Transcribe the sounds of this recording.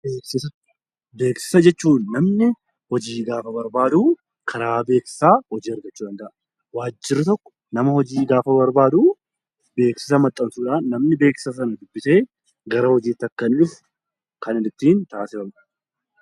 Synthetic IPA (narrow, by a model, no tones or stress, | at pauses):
beːksɪsɐ | be̞ːksɪ̥sɐd͡ʒɛt͡ʃːuːnːɐmnɪ | hɔd͡ʒiːɡaːfɐbɐɾbaːd̪uː | kʰɐɾaːbe̞ːksɪ̥saːhɔd͡ʒiːɐɾɡɐt͡ʃːuːᶑ̪ɐnd̪ɐʔɐ | waːd͡ʒːɪɾɪt̪ɔkːɔ̥ | nɐmɐhɔd͡ʒiːɡaːfɐbɐɾbaːd̪uː | be̞ːksɪ̥sɐmɐt̪ʼːɐnsuːᶑaːnːɐmnɪbe̞ːksɪ̥sɐs̬ɐnɐd̪ʊbːɪse̞ː | ɡɐɾɐhɔd͡ʒiːt̪ːɐkːɐnɪf | kɐnɪd̪ɪt̪ːiːnt̪aːsɪɐbɐ̥